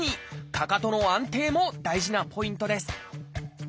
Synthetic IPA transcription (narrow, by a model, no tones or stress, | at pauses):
ɲ̟ikakat̪o̞no̞ãnt̪e̞ːmo̞d̪aiʑinapʰo̞ĩnt̪o̞d̪e̞sɨ̥